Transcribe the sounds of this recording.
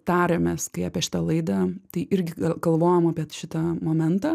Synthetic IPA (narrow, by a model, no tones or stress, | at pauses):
t̪ɑːɾʲɛmʲɛskɐɪɑːpʲiɛʃʲɪ̥t̪ɐlˠɐɪd̪ɐt̪ɐɪʔɪɾʲɡʲɪɐɡɐlˠʋoːjomɑːpʲiɛʃʲɪt̪ɐmoːmʲɛnt̪ɐː